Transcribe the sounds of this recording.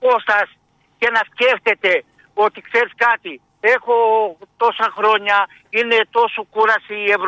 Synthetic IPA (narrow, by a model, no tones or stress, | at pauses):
kost̪as | kenaskeft̪et̪e | ot̪ikseɾskat̪i | ekot̪osakɾoɲa | inet̪osukuɾasieβɾ